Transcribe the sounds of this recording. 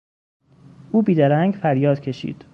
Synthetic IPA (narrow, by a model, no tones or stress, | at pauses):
ʔuːbiːd̪æɾæŋɡfæɾjɒːd̪̥cʰe̞ʃḭːd̪̥